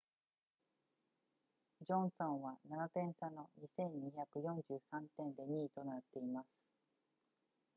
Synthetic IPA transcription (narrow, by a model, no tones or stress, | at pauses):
d͡ʑõ̞ɰ̃sõ̞ɰ̃βananap̪ẽ̞ɰ̃sano̞ɲisẽ̞ɲ̟ːiçakɯ̟jõ̞ɲd͡ʑɨːsãnt̪ẽ̞nd̪e̞ɲ̟iːt̪o̞nat̪ːe̞imasɨ̥